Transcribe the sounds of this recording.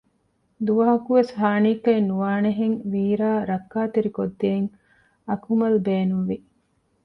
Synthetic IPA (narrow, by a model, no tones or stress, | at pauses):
d̪uʋɐɦɐkuʋeshaːniːkɐinːuʋaːneɦeŋʋiːɾaːɾɐkːaːt̪eɾikod̪ːeːŋ | ɐkʰumɐlbeːnunʋi